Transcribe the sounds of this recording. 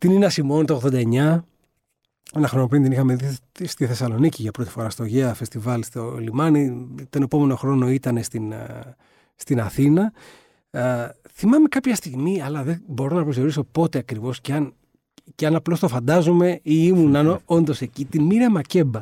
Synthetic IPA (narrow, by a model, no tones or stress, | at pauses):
t̪ininɐsimo̞nt̪oɣðo̞nd̪ɐeɲɐ | enɐxɾonopind̪inixɐmeði | st̪iθe̞sɐlo̞niciʝɐpɾo̞t̪i̥fo̞ɾɐst̪o̞ʝeɐfe̞st̪ivɐlst̪olimɐnit̪o̞ne̞po̞me̞no̞xɾo̞no̞it̪ɐne̞st̪in | st̪inɐθinɐ | θimɐme̞kɐpçɐst̪iɣmiɐlɐðebo̞ɾonɐpɾozio̞ɾiso̞po̞t̪e̞ɐkɾivo̞sceɐn | ceɐnɐplo̞st̪o̞fɐnd̪ɐzume̞iimunɐnoo̞nd̪o̞se̞cit̪inmiɾɐmɐce̞bɐ